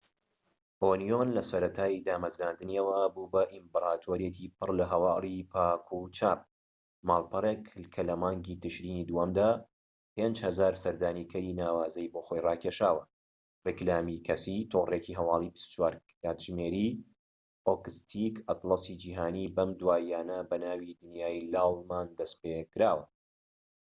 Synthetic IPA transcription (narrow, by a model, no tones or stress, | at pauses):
ʔoːnijonlɐsɐɾɐt̪ʰaːjid̪aːmɐzɾaːnd̪ɨniɐwɐbubɐʔimbɨɾaːt̪ʰoːɾjet̪ʰipɨrlɐɦɐwɑːlˠipʰaːkʰut͡ʃʰaːp̚ | maːlˠpɨɾˤekkʰɐlɐmaːŋɡiːt̪ɨʃɾiːniːd̪uhɐmd̪aː | peːnd͡ʒhɐzaːɾsɐɾd̪aːniːkʰɐɾinaːwaːzɐjboːxojrɑːkʰeʃaːwɐ | rɨklaːmikʰɐsit̪ʰoːreciɦɐwɑːlˠibist̪u̥t͡ʃʰwaːɾkt̪aːt̪ʒmeːɾi | oːkɨst̪ʰikɐt̪lɑsid͡ʒiːɦaːniːbɐmd̪waːjaːnɐbɐnaːwid̪ɨnjaːjlaːlˠmaːnd̪ɐspekɾaːwɐ